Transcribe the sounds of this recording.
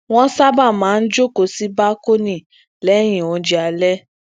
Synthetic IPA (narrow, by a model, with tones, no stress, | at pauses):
w̃ɔ̃˦sa˦ba˦˨mãː˨˦n̩˦d͡ʒo˦ko˨si˦ba˦ko˦nĩ˦˨ | lɛ˨˦j̃ĩ˨õ˨˧d͡ʒi˨a˨˧˨lɛ˦